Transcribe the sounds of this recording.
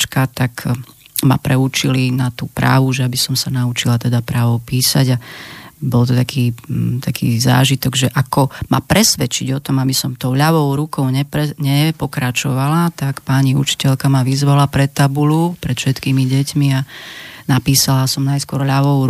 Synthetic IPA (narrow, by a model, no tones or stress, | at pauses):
t͡ʃkat̪akma̰pɾɛut͡ʃilinat̪uːpɾa̰ːʋuʒɛabisɔmsanaut͡ʃilat̪ɛd̪apɾaːʋɔʊpiːsaɟabɔlt̪ɔt̪akʰiːt̪akʰḭːza̰ːʒit̪ɔɡʒɛʔakɔma̰pɾɛsʋɛt͡ʃiɟɔt̪ɔmabisɔmt̪ɔʊʎaʋɔʊɾukɔʊɲɛpɾɛɲɛpɔkɾat͡ʃɔʋalat̪akpaɲiṵt͡ʃi̥cɛʎkamaʋizʋalapɾɛt̪ːabulupɾɛt̪fʃɛt̪kiːmiɟɛcmianapiːsalasɔmnajskʊɔɾʎaʋɔʊɾ